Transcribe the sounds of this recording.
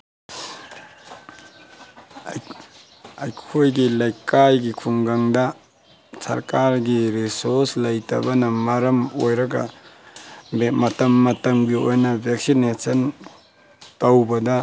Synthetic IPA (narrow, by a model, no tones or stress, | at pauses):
ɐjkʰojɡilɐjkajɡikʰuŋɡaŋdɐ | sɐ̰ɾkaɾɡiɾisoɾslɐjtʰɐ̰bɐnɐmɐɾɐmojɾɐɡɐ̰ | mɐtɐmːɐtɐmɡiojnɐbʱeksinesɐn | tɐwbɐdɐ